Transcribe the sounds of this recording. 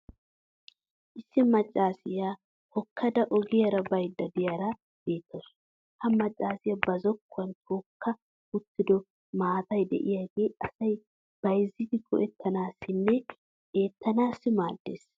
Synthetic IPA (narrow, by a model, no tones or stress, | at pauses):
ʔɪsːɪmɐt͡ʃʼːaːsɪjaː | hɔkʰːɐd̪ɐʔɔɡɪjɐɾɐbɐjd̪ːɐd̪ɪjɐɾɐ | b̥e̞ːt̪ːos | hɐmɐt͡ʃʼːaːsɪjɐbɐzɔkːʊɐnt̪ʰoːkːɐ | ʊt̪ːɪd̪ɔ | maːt̪ɐjd̪ɛ̰ʔɪjaːɡe̞ːɐsɐj | b̥ɐjzːɪt̪ɪkʰɔ̰ʔɛt̪ːɐnaːsːɪnːɛ | e̞ːt̪ːɐnaːsːɪmaːd̪ːe̞̰ːs